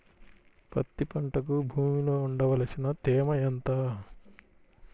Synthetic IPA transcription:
pɐ̰t̪ːipɐɳʈɐk̬ubʱuːmiloːuɳɖɐʋɐlɐsinɐt̪eːmɐjɐnt̪a

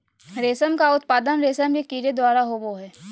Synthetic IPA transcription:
ɾeːsəmkaʊt̪̚paːd̪ənɾeːsəmekiːɾed̪waːɾaɦoːboɦɛː

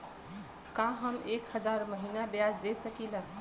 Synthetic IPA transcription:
kaɦəmekhəd͡ʒaɾməɦinabjad͡ʒd̪esəkilə̃

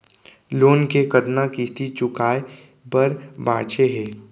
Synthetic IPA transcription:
loːnkekɐd̪nakist̪it͡ʃʊkaːe | bɐɾba̰ːt͡ʃeɦɛː

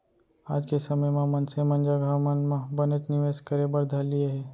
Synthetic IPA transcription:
aːd͡ʒkesɐməjmãmɐnsemɐ̃nd͡ʒaɡʱamənmãbənət͡ʃnɪʋeːskəɾebəɾd̪ʱɐlieɦɛː

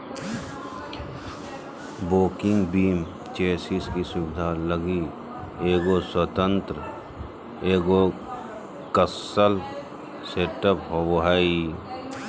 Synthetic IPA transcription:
boːkɪŋɡbiːm | t͡ʃeːsiskisʊbɪd̪ʱaləɡi | eːɡoswət̪ə̃nt̪ɾə | eːɡo | kəsəl | seːʈəpɦowɦai

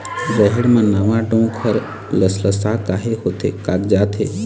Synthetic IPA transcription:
ɾəɦɛɽmãːnəʋãɖõkʰəɾ | ləsləsakaɦeɦot̪ʰḛkaːkd͡ʒaːt̪ʰḛ

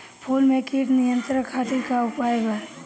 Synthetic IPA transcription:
pʰuːlmẽkiʈnɪjə̃nt̪ɾəkʰaːt̪ikaʊpaːjbəɾ

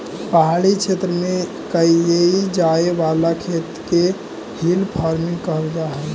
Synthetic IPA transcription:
pəɦaɽikt͡ʃʰet̪ɾəme | kəieid͡ʒaeʋalakʰet̪ke | hilpʰaɾmĩŋɡkəɾd̪aɦɛ

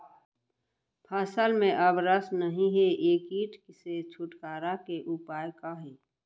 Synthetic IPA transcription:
pʰaːsəlmẽʔəbɾəsnəɦĩɦeeːkiːʈkɪset͡ʃʰʊʈkaːɾakeʔʊpaːjkaɦeː

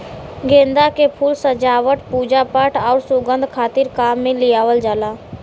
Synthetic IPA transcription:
ɡẽːnd̪akepʰuːlsəd͡ʒaːʋəʈpuːd͡ʒapəʈʰɔːɾsʊɡə̃nd̪ʱkʰaːt̪ɪɾkaːmːẽlɪjaːʋəld͡ʒaːlaː

